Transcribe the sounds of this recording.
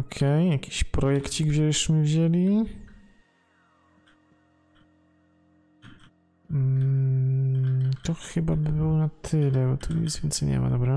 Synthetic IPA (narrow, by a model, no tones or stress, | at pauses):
ɔkʰɛjjakʲi̥ɕpɾɔjɛkt͡ɕiɡvʑɛʂmɘvʑelʲi | t̪ɔxɘbabɘbɘwɔnat̪ʰɘlɛbɔt̪ʰuɲɛ̰zvʲɛnt̪sɛɲɛ̰ma̰d̪ɔbɾa